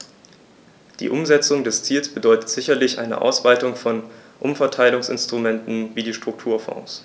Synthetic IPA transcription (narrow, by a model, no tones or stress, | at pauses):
d̥ḭːʔʊmzɛt͡sʊŋdɛst͡siːlsb̥ədɔʏtə̥tz̥ɪçɐlɪçʔa̰ɪnə̰ʔa̰ʊsv̥aɪtʊŋfɔnʔʊmfɛɐtʰaɪlʊŋsɪ̰nstʁ̥umɛntn̩viːdiːʃtʁ̥ʊk̚tʰuːɐfɔ̰̃ŋs